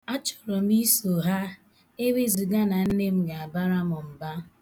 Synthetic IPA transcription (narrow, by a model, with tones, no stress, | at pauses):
a˦t͡ʃɔ̥˨ɾɔ˨m˦i˦so˨ɦa˦ | e˦we˦zi˨ɡa˦na˨n̩˦ne˦m̩˦ɡa˨a˨ba˦ɾa˦mʊ˨m̩˨ba˦